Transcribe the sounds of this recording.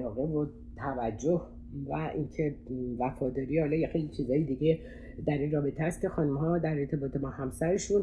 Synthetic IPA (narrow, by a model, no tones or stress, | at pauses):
lɒːɣe̞vo | t̪ʰævæd͡ʒːoh | væʔincʰe̞væfɒːd̪ɒːɾiːhɒːlɒːjexejlit͡ʃʰiːzɒːjid̪iɟe̞ | d̪æɾinrɒːbe̞t̪ʰeæst̪kcʰe̞xɒːnumɦɒːd̪æɾe̞ɾt̪ʰe̞bɒːt̪ʰe̞mɒːhæmsæɾe̞ʃun